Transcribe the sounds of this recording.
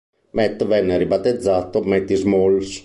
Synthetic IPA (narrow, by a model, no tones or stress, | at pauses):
mɛt̪ːvɛnːeɾibat̪ːed̪zːaːt̪omɛt̪ːizmols